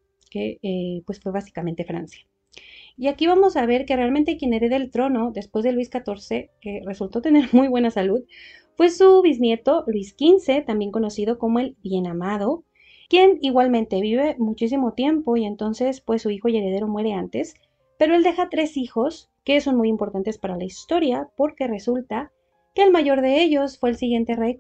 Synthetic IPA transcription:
keepwesfwe̞βasi̥kamẽ̞nt̪e̞fɾa̰nsjḁ | iakiβamo̞saβ̞e̞ɾke̞realment̪ekje̞ne̞ɾe̞ðelt̪ɾo̞no̞ðe̞spwe̞zðelwiskat̪o̞ɾse̞ke̞re̞sult̪o̞t̪e̞ne̞ɾmujβwe̞nasaluð | fwe̞suβiznje̞t̪o̞lwiskinse̞t̪ambjeŋko̞no̞sið̞o̞ko̞mo̞e̞lbje̞namað̞o̞ | kje̞niɣwalmẽnt̪e̞βiβe̞mut͡ʃis̬imo̞t̪je̞mpo̞ie̞nt̪o̞nse̞spwe̞sːuixo̞ie̞ɾe̞ð̞e̞ɾo̞mwe̞ɾe̞ant̪e̞s | pe̞ɾo̞eld̪e̞xat̪ɾe̞sixo̞s | ke̞so̞nmujimpo̞ɾt̪ant̪e̞spaɾalaist̪o̞ɾjapo̞ɾke̞re̞sult̪a | ke̞ːlmaʝo̞ɾðe̞e̞ʝo̞sfwe̞ːlsiɣje̞nt̪e̞rej

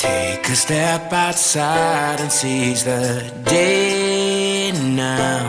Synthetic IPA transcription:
tʰeɪkɨstɛpaʊtsaɪɾɨ̃nsizðɨ | deɪ | naʊ

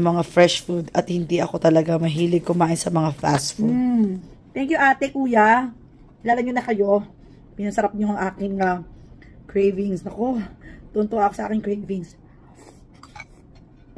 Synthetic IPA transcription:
mɐŋafɾɛʃfud̪ɐt̪̚hɪnd̪iʔɐko̞t̪ɐlɐɡamɐɦiːlɪɡ̚kʊmaːʔɪnsɐmɐŋafa̰sfu | t̪ɛŋkjuʔaːt̪ɛkuːja | ɪlaːlɐmɲonɐkɐjo̞ | pɪnɐsɐɾap̚ɲoɐŋʔaːkɪŋɐ | kɹejvɪŋsɐkot̪ʊʔnt̪oʔaːkosɐʔa̰ːkɪŋkɹejvɪŋs

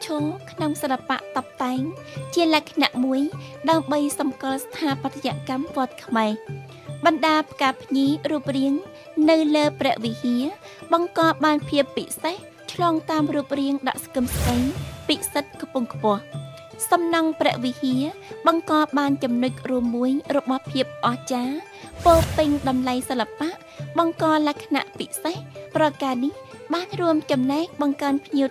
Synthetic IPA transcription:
t͡ɕʰoːlkʰnoŋsəlapa̰ʔt̪ɑp̚t̪aɛŋt͡ɕiəlaɛkʰnaʔmuəjɗaəmɓəjsɑmkŏlst̪ʰaːpat̪jaʔkamʋŏət̪̚kʰmaɛ | ɓɑnɗaːpʰkaːpʰɲiːruəp̚riəŋ | nɨwləːprɛ̆əʔʋihiə | ɓɑŋkɑːɓaːnpʰiəpːiseh | t͡ɕʰlɑːŋt̪aːmruəp̚riəŋɗɑ̰ʔskɨmskəɲpiːsət̪̚kpuəŋkʰpʊ̆əh | sɑmnɑŋprɛ̆əʔʋihiəɓɑŋkɑːɓaːnt͡ɕɑmnʊc̚ruəmːuəjrɔɓɑhpʰiəp̚ʔɑht͡ɕaː | poːpɨŋɗɑmlajsəlːapaʔ | ɓɑŋkɑːlakʰːna̰ʔpisehprɑkaːnihɓaːnruəmt͡ɕɑmnaɛk̚ɓɑŋkaənpʰɲiə

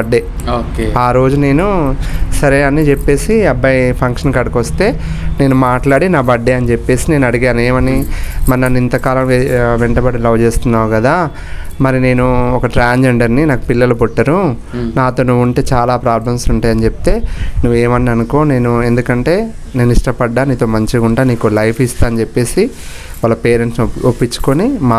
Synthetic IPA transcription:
ɐɖːeː | okːaːɾo̞ːd͡ʒune̞ːnusɐɾeːɐnːit͡ʃepːe̞ːsiɐbːɐjpʰɐŋkʂɐnkɐɽɐkʋɐst̪e̞ː | ne̞ːnumaːʈlaːɽinaːbɐɖːeːɐnit͡ʃepːe̞ːsine̞ːnɐɽiɡaːneːmɐnimɐɾinɐnːint̪ɐkaːlɐmʋɛɳʈɐbɐɽilɐwt͡ʃe̞ːst̪unːaːkɐd̪aː | mɐɾine̞ːnuɔkɐʈɾaːɲd͡ʒeɳɖɐɾninaːku̥pilːɐlupoʈːɐɾu | naːt̪o̞ːnuʋːuɳʈe̞ːt͡ʃaːlaːpɾaːblɐmsuɳʈaːjɐnit͡ʃepi̥t̪e̞ːnuʋːeːmɐnːiɐnukoːne̞ːnue̞nd̪ukɐɳʈe̞ː | ne̞ːniʂʈɐpɐɖːaːniːt̪o̞ːmɐɲt͡ʃiɡuɳʈaːniːkulɐjpʰist̪aːɐnit͡ʃepːe̞ːsi | ʋɐlːɐpeːɾeɳʈsnopːit͡ʃːu̥konimaː

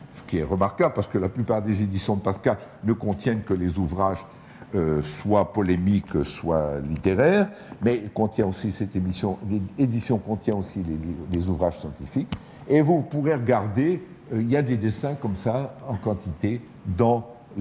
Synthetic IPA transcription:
sə̥kʲiɛʁəmaʁkablpaʁsə̥kəlaplypaʁd̪ezed̪isjɔ̃d̪əpaskalnəkɔ̃t̪jɛnkəlezuvʁaʒ | øswapɔlemikswa̰lit̪eʁɛːʁ | mɛkɔ̃t̪jɛ̃osisɛt̪emisjɔ̃ed̪isjɔ̃kɔ̃t̪jɛ̃osilelezuvʁaʒsjɑ̃t̪ifik | evupuʁeʁəɡaʁd̪e | øiljad̪ed̪esɛ̃kɔmsaɑ̃kɑ̃t̪it̪e | d̪ɑ̃

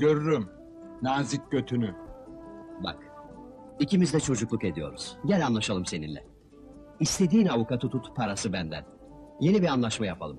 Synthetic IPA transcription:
ɟøɾyɾym | naːzic̚ɟøt̪ʰyny | ba̰k | icimizd̪ɛt͡ʃʰo̞d͡ʒuklˠuke̞d̪ijo̞̰ɾuz̥ɟælʲanlˠaʃalˠɯmse̞nḭnlʲɛ̰ | ist̪ʰe̞d̪iːnavukat̪ʰut̪ʰut̪ʰpʰaɾasɯbænd̪æ̰n | je̞nibiɾanlˠaʃmajapʰa̰lˠɯm

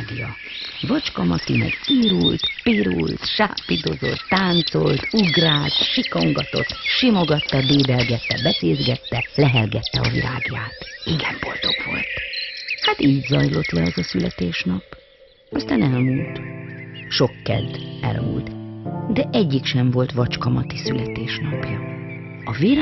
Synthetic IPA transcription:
ɡjɒ | vɒt͡ʃkɒmɒt̪imɛ̰ɡiːɾult̪piːɾult̪ʃaːpːid̪o̞zo̞̰t̪ːaːnt̪so̞lt̪uɡraːt̪ʃiko̞ŋɡɒt̪o̞̰t̪ʃimo̞ɡɒt̪ːɒb̪eːb̪ɛlɡɛt̪ːɛbɛseːzɡɛt̪ːɛlɛɦɛlɡɛt̪ːɛɒvḭla̰ːɡjaːt̪iɡɛmbo̞̰lt̪o̞kʋo̞̰lt̪hat̪iːɟzɒjlo̞t̪lɛɛzɒsylɛt̪eːʃnɒp | ɒst̪aːnɛlmuːlt̪ | ʃo̞kːɛ̰d̪ɛ̰l̰ṵlt̪d̪ɛʔɛɟːikʃɛɱvo̞lt̪ʋɒt͡ʃkɒmɒt̪isylɛt̪eːʃnɒpjɒ | ɒviɾ

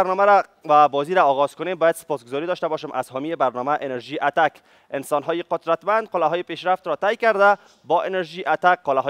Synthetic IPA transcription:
ɾnɔmaɾababɔziɾaɔɣɔz̥kʊnembɔjad̪se̥pɔsɡozɔɾid̪ɔʃt̪abɔʃemʔa̰zɦɔmiebaɾnɔmaʔenaɾʒiʔat̪ak | ɪnsɔnɦɔjɪqʊd̪ɾat̪mand̪̚qʊlaɦɔjepeʃɾaft̪ɾɔt̪ajkaɾd̪a | bɔʔenaɾʒiʔat̪akːʊlaɦɔ

